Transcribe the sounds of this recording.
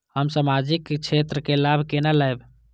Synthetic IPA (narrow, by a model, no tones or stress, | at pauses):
həmsamad͡ʒikkt͡ʃʰet̪ɾəkelabʱkenaləjb